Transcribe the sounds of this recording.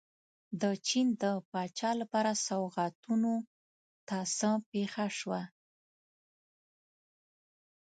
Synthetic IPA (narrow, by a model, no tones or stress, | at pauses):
d̪ət͡ʃind̪əpɑt͡ʃɑlapɑɾasawɣat̪uno | t̪ɑsəpexaʃwa